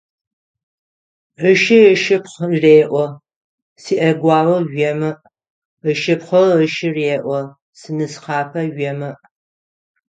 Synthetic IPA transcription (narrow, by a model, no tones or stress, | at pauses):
ʕəʃɪəʃɨpχreːʔʷɔ | siːʔɐɡʷɑːwɐʒɛmɨʔ | əʃɨpχʷɐəʃɪreːʔʷɔ | sɨnɨsqɑːpʰɐɥɛmɨʔ